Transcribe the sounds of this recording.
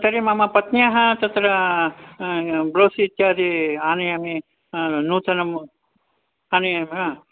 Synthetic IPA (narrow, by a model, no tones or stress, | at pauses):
t̪ɐɾemɐmɐpɐt̪njaɦɐ̃t̪ɐt̪ɾɐ | bɾoːsiːt̪jaːd̪iaːnɐjami | nuːt̪ʰɐnɐm | aːnɐjama